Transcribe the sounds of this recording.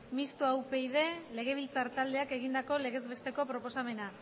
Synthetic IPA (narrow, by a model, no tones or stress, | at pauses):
mist̪uawpe̞ið̞e̞le̞ɣ̞e̞β̞ilt͡saɾt̪ald̪eake̞ɣ̞ind̪ako̞le̞ɣe̞zβe̞st̪e̞ko̞pɾo̞po̞same̞na